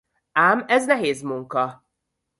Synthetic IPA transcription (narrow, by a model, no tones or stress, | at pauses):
aːmɛznɛɦeːzmuŋkɒ